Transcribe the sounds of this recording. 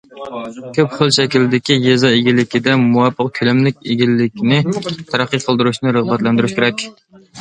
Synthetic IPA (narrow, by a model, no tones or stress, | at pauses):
kʲʰøpχʊlˠʃɛkʲilɪd̪ɪkʲijezɑeɡʲilːɪkʲid̪ɛmuwɑpʰːəq̚kʲʰylɛmlɪk̚ʲeɡʲilːɪkʲnɪt̪ʰæɾæqːijqʰəlˠd̪ɨɾuʃnɨɾəʁbɛt̪lɛnd̪yɾyʃkʲʰeɾɛkʲ